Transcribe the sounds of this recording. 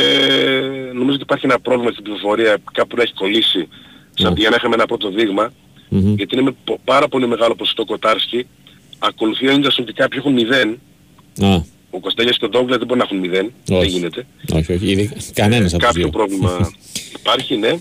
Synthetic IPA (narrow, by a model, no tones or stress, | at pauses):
e | no̞mizot̪ipɐɾçienɐpɾovlimɐt̪it̪ibzi̥fofo̞ɾiɐkɐppuneçi̥ko̞lisisɐt̪iʝɐnɐexɐmeenɐpɾo̞t̪o̞ðiɣmɐ | ʝɐt̪iinemepɐɾɐpo̞lime̞ɣɐlo̞poso̥st̪oko̞t̪ɐɾsci | ɐko̞luθioint̪ɐsinot̪ikɐpçoexunmiðe̞n | ɐ | okost̪eʎɐskeod̪oŋɡlɐzðe̞boɾinɐxunmiðenoeʝine̞t̪e̞o̰çoçiðikɐnenɐsɐkɐpçopɾo̞vlimɐipɐɾçine̞